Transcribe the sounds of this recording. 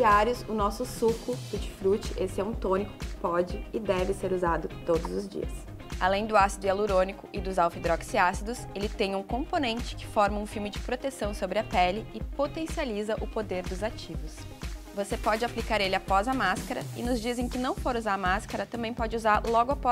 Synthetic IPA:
iaɾjʊsʊnɔsʊsukʊfut͡ʃɪ̥fɾut͡ʃɪʔesɪɛũt̪õnikʊ̥kɪ̥pɔd͡ʒɪɪd̪ɛvɪseɾuzad̪ʊt̪od̪ʊzʊzd͡ʒḭɐ̰s | a̰lẽj̃d̪ʊasid̪ʊaluɾõnikʊʔɪd̪ʊzawfid̪ɾɔksiasid̪ʊselɪt̪ẽj̃ũkõmponẽnt͡ʃɪ̥kɪ̥fɔɾmɐũfimɪd͡ʒɪpɾot̪esɐ̃w̃sobɾɪɐpɛlɪɪpot̪ẽsializɐʔʊpod̪eɾd̪ʊzat͡ʃivʊs | vosepɔd͡ʒɪaplikaɾelɪapɔzɐmaskɐɾɐ̰ɪnʊzd͡ʒizẽj̃kɪnɐ̃w̃foɾuzaɾɐmaskɐɾɐt̪ɐ̃mbẽj̃pɔd͡ʒɪuzaɾlɔɡʊapɔ

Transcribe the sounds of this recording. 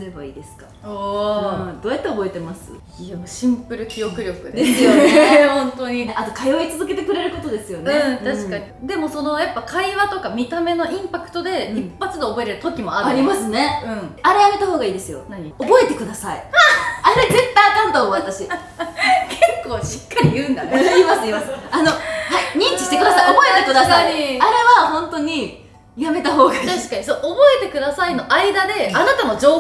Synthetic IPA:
e̞baḭːd̪e̞sɨ̥kḁoɯd̪o̞ːjat̪ːe̞obo̞e̞t̪e̞masɨ̰ | aɕĩmpɯ̟ɾɯ̟kʲijo̞kɯ̟ɾʲo̞kɯ̟d̪d̪esɨjo̞eõnt̪oɲiat̪o̞kajo̞it͡sɨzɨk̬e̞t̪e̞kɯ̟ɾe̞ɾɯ̟ko̞t̪o̞d̪e̞sɨjo̞neɯ̃t̪aɕikaɲ̟id̪e̞mo̞so̞no̞japːakʰaiβat̪o̞kamʲit̪ame̞no̞ʔĩmpakɯ̟̥t̪o̞d̪e̞ipːat͡sɨd̪eːbo̞eɾe̞ɾɯ̟t̪o̞kʲimo̞aɾaɾʲimasɨne̞ɯ̟̃aɾejame̞t̪aɦoːɡaiːd̪e̞sɨjo̞̰naɲiobo̞e̞t̪e̞kɯ̟d̪asaḭaɾeze̞t̪ːajak̪amot̪omoat̪aɕi | kʰekːo̞ːɕi̥kːaɾʲijɯ̟̃ːnd̪aiːmasɨiːmasɨano̞haiɲ̟ĩɲt͡ɕi̥ɕi̥t̪e̞kɯ̟d̪asaiobo̞et̪ekɯ̟d̪asaaɾe̞βahõ̞nt̪o̞ɲ̟i | jame̞t̪aɦo̞ːɡat̪aɕi̥kaɲisoobo̞e̞t̪e̞kɯ̟d̪asaino̞ʔaid̪ad̪e̞anat̪ano̞d͡ʑo̞ː

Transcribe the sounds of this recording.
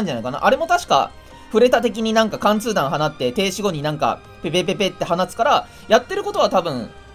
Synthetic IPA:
ɲ̟d͡ʑanaikana̰ʔaɾe̞mo̞t̪aɕi̥ka̰ | ɸɯ̟ɾe̞t̪at̪e̞k̬ʲiɲ̟inãŋkakãnt͡sɨːd̪ãɰ̃ɦanat̪ːe̞t̪e̞ːɕiɡo̞ɲ̟inãŋka̰ | pe̞pepe̞pe̞t̪ːe̞ɦanasɨ̥kaɾa | jat̪ːe̞ɾɯ̟ko̞t̪o̞βat̪abɯ̟̃ɴ

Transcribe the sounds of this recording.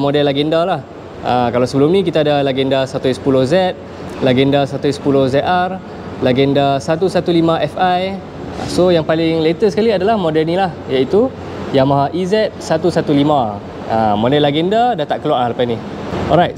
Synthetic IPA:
modɛlːaɡɛndalah | ʔakalawsəbəlʊmnĩkit̪aːdalaɡɛndasat̪usə̥pulozɛt̪̚ | laɡɛndasat̪usə̥pulohzɛt̪ar | laɡɛndasat̪usat̪ulimãʔɛfaj̰ | sojaŋpalɪŋlet̪əsə̥kaliadalahmodɛlnilahjait̪u | jamaɦaʔizɛt̪̚sat̪usat̪ulimã | amodɛlːaɡɛndadat̪aʔkəlwaŋalapajni | ɔ̰lɾajt̪̚

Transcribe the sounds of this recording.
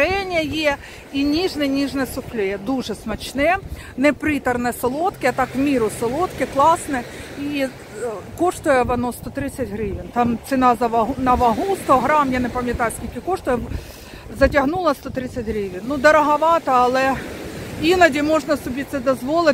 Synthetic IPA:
ɛnʲɐje | inʲiʐnɛnʲiʐnɛsʊxlʲɛɛd̪uʐɛsmɐt͡ɕnɛ | nɛpɾʲit̪ɐrnɛsolˠot̪kɪɐt̪ɑkmʲiɾʊsɪlˠot̪kɪklˠɑsnɛi | koʂt̪ʊjɛʋɐnɔst̪ot̪ɾɪt̪sʲɐtʲɦɾɪʋʲint̪ɑmt̪sɪnɑzɐʋɐɦnɐʋɐɦust̪ɔɦɾɑmjanɛpɐmʲjɐt̪ɑjʊsʲkʲilʲkʲɪkɔʂt̪ʊjɛ | zɐtʲɐɦnulˠɐst̪ot̪ɾɪsʲɐtʲɦɾɪʋʲinːud̪ɐɾɐɦɐʋɑt̪ɐɐlˠɛ | inɐdʲimoʐnɐsʊbʲit̪̚ʲsɛd̪ɐzʋolˠɪ

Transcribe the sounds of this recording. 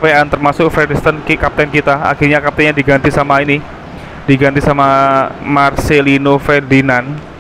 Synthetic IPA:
peant̪ərmasʊk̚fɾɛdist̪ənkikap̚t̪ɛnkit̪aa̰xirɲakap̚t̪ɛɲadiɡant̪isamaini | diɡant̪isamamarselinofɛrdinan

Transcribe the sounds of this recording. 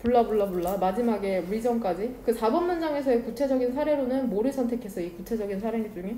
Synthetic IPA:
puɭːabuɭːabuɭːamad͡ʑimaɡe̞wid͡ʑʌŋk͈ad͡ʑikɯsʰabʌnmand͡ʑaŋe̞sʰʌekut͡ɕʰe̞d͡ʑʌɡinsʰaɾe̞ɾonɯnmoɾɯɭsʰʌntʰe̞kʰe̞sʰʌikut͡ɕʰe̞d͡ʑʌɡinsʰaɾeŋid͡ʑuŋe

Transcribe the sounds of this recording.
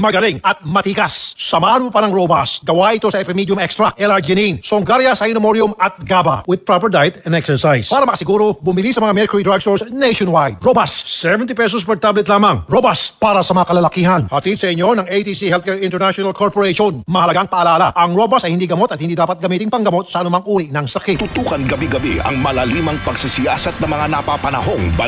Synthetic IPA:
mɐɡɐliŋʔɐt̪̚mɐt̪iːkɐssɐmaːʔɐnpopɐnɐŋɾoba̰sɡɐwaʔɪt̪o̞sɐɛpɛmid̪jʊmɛkst̪ɾɐʔɛlaɹd͡ʒɛninsoŋɡaɾjɐsɐjɪnɐmoɾjʊmɐt̪̚ɡaba̰wɪd̪̚pɹapɛɹd̪ajt̪ɛnɛksɛɹsajspaːɾɐmɐkɐsɪɡuɾo̞bʊmɪlisɐmɐŋamɛɾkʊɹid̪ɹaɡst̪oɹsnejʃonwajd̪̚ɾobasːɛvɛnt̪ipɛs̬ospɛɹt̪ablɛt̪laːmɐŋɾobaspaːɾɐsɐmɐŋakɐlɐlɐkiːɦɐnhɐt̪id̪̚sɐɪɲo̞nɐŋejt̪isihɛlt̪̚kɛɹɪnt̪ɛɹnaʃonalkʰoɹpoɾeʃonmɐhɐlɐɡaŋpɐʔːlaːlaʔɐŋɹo̞bɐsɐjhɪnd̪iɡɐmo̞t̪ɐt̪hɪnd̪id̪aːpɐt̪̚ɡɐmiːt̪ɪŋpɐŋɡɐmo̞t̪̚sɐʔɐnʊmaŋʔuːɾɪʔnɐŋsɐkit̪ʊt̪ukɐnɡɐbiɡɐbɛɐ̰ŋmɐlɐliːmɐŋpɐɡsisɪjaːsɐt̪̚nɐmɐŋanɐpapɐnɐ̰ɦoŋb

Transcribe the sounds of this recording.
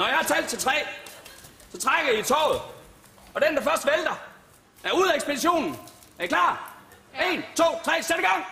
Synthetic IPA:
nɒjɑhɑ̈t͡sʰɛl̰d̥̚t͡sʰe̝t͡sʰʁɛ̰ː | t͡sʰe̝t͡sʰʁaɡ̥əð̩ˠit͡sʰɒ̰ʊð̞̩ˠ | ɒ̽d̥end̥ɑ̈fɶɐsd̥ʋeld̥ɐ | æɐuðˠeɡsb̥ediɕo̝̰ːnn̩ | ækʰlɑ̰̥̈ː | e̝nt͡sʰo̝̰ːt͡sʰʁɛ̰ːsed̥əɡ̥ɑ̈ŋ̰

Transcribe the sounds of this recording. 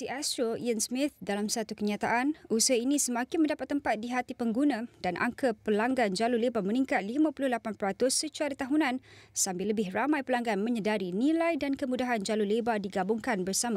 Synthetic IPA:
siʔast̪ɾoijənsmɪt̪̚dalamsat̪ukəɲat̪a̰ʔanusəɦainĩsəmãkɪnmə̃ndapat̪ːəmpat̪̚diɦat̪ipəŋɡunãdanʔa̰ŋkəpəlaŋɡand͡ʒalʊlebaməniŋkat̪̚limãpulʊhlapanpəɾat̪ʊsːət͡ʃuaɾat̪aɦunãnsambɪlːəbɪhramajpəlaŋɡanmə̃ɲədaɾinilajdankəmudaɦand͡ʒalulebadiɡabʊŋkanbərsamã

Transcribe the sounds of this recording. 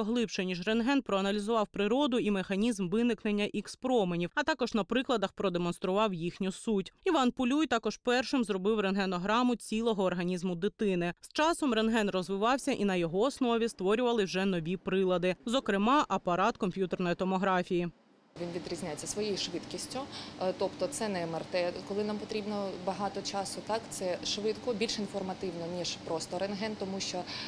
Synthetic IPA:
ɦlˠɪpʃɛnʲiʒrenɦɛnpɾɔɐnɐlʲizʊʋɑwpɾɪɾɔd̪ʊimexɐnʲizmʋɪnɪknenʲːɐʔikspɾɔmenʲiwɐt̪ɑkɔʒnɐpɾɪklˠɐd̪ɐxpɾɔd̪emɔn̪st̪ɾʊʋɑwjixnʲʊsutʲiʋɑnpʊlʲujt̪ɑkɔʒpɛrʃɪmzrɔbɪwrenɦɛnɔɦɾɑmʊt͡sʲilˠɔɦɔːrɦɐnʲizmʊd̪ɪt̪ɪnɪst͡ʃɑsɔmrenɦɛnrɔzʋɪʋɑwsʲɐʔinɐjɔɦɔːsnɔʋʲist̪ʋɔɾʲʊʋɐlˠɪwʒɛnɔʋʲipɾɪlˠɐd̪ɪzɔkɾɪmɑʔɐpɐɾɑt̪kɔmʲpʲjut̪ɛrnɔjit̪ɔmɔɦɾɑfʲiji | ʋʲinʋʲid̪ɾʲizʲnʲajet͡sʲːɐsʋɔjejʃʋɪt̪kʲisʲtʲʊt̪ɔpt̪ɔt̪sɛnɛmɐrt̪ɛkɔlˠɪnampɔt̪ɾʲibnɔbɐɦɑt̪ɔt͡ʃɑsʊt̪ɑkt̪sɛʃʋɪt̪kɔbʲilʲʃinfɔrmɐt̪ɪwnɔnʲiʒpɾɔst̪ɔɾenɦɛnt̪ɔmuʃt͡ʃɔ

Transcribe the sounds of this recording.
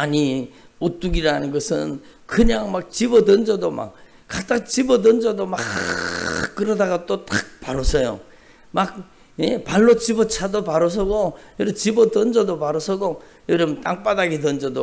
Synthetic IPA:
aɲi | ot͈uɡiɾanɯnɡʌsʰɯnkɯɲaŋmak̚t͡ɕibʌdʌnd͡ʑʌdoma̰k̚ | k͈ːat͈aŋt͡ɕibʌdʌnd͡ʑʌdoma | k͈ɯɾʌdaɡat͈ot͈ak̚paɾosʰʌjo̰ | mak̚ | jepaɭːot͡ɕibʌt͡ɕʰadopaɾʌs̬ʰʌɡojʌɾʌmt͡ɕibʌdʌnd͡ʑʌdopaɾʌsʰʌɡo | jʌɾʌmt͈ʼaŋp͈adaɡetʌnd͡ʑʌdo

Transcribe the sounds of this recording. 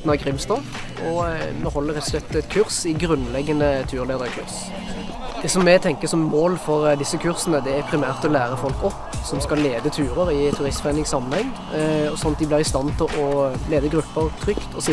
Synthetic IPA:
nɑɡʁɪmst̪ɑːʋ | ɔmɛhɔlːəɾʁɛt̪ːɔ̥slɛt̪ːɛt̪kʰʉʁsɪɡɾʉnːlɛɡːənət̪ʰʉːʁleːd̪əɾəkʰʉ̰ʁs | d̪̥ɛsɔmːɛt̪ʰɛŋkəsɔmmoːlfɔʁd̪ɪsːəkʰʉʁsənəd̪ɛæpʰɾɪmæːʁt̪ɔlæːɾəfɔlkɔp | sɔmskɑlːeːd̪ət̪ʰʉːɾəɾɪt̪ʰːʉʁɪst̪fʁæɪnɪŋsɑmːənhɛŋ | ɔsɔnːɑt̪̚d̪ɪblɪʁɪst̪ɑnt̪ʰɪlʔɔleːd̪əɡʁʉpːəɾt̪ʰɾʏkt̪ʰɔs

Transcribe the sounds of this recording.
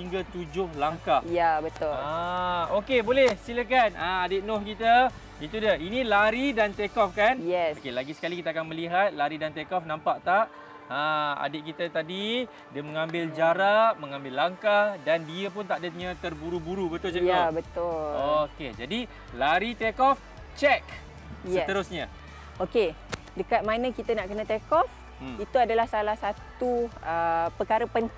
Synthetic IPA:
hiŋɡat̪ud͡ʒʊhlaŋkahjabət̪ʊlaokebolɛhsiləkanaadɪʔ̪̚nɔhkit̪a | it̪udainĩlaɾidant̪ekɔfkanjɛokelaɡisəkalikit̪akanməliɦat̪̚laɾidant̪ekɔfnãmpaʔt̪aʔ | əa̰dɪt̪ʔ̚kit̪ət̪adi | diəməŋãmbɪld͡ʒaɾaʔ̚mə̃ŋãmbɪlːaŋkadandiəp̬ʊnt̪aʔdəɲãt̪ərbuɾubuɾubət̪ʊlsajabət̪ʊloked͡ʒadi | laɾit̪ekɔf | t͡ʃɛk | jəɛt̪əɾʊsɲa | oke | dəkat̪̚manə̃kit̪anaʔkənə̃t̪ekɔf | it̪uadalahsalahsat̪uəpəkaɾəpən

